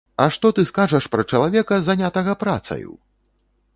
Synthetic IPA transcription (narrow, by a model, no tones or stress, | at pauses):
ɐʂt̪ɔt̪ɨskaʐɐʂpɾɐt͡ʂɐlˠavʲɛkɐzanʲat̪ɐɣɐpɾa̰t̪sɐ̰jṵ